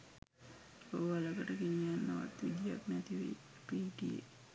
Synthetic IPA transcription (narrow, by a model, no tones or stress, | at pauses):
oaləkəʈəkiɲanːəʋa̰t̪ʋid̪ijaknæt̪iʋḭ | pikijḛ